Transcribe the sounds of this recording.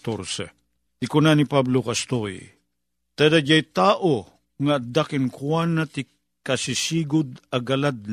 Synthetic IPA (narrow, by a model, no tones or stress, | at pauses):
t̪oɾsɛ̰ | t̪ikʊnanipablokast̪oj | t̪ad̪ad͡ʒajt̪aːʔo | ŋaːd̪akɪnkuanːat̪i | kasisiɡʊd̪aɡalad̪̚